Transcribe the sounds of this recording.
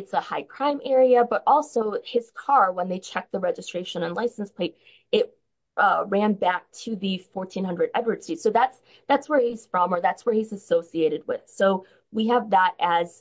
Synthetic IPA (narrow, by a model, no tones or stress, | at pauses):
ɨtsəhaɪkʰɹ̥ãɪ̃mʔɛɹiɨbʌɾʔɔlˠsoʊɪz̥kʰɑɹwə̃nðeɪt͡ʃʰɛk̚ðɨɹɛd͡ʒɨstɹ̥eɪʃɨ̃nə̃nlaɪsn̩spʰl̥eɪɾ | ɪt̚ | ɹæ̃nbæk̚tʰɨðɨfɔɹtʰĩnhʌ̃ndɹɨɾɛdə˞dsitsoʊðæts | ðætswə˞iz̥fɹʌ̃mə˞ðætswə˞hizɨsoʊsieɪɾɨd̚wɪ̰ð̥soʊ | wiɨvðəɾɨz̥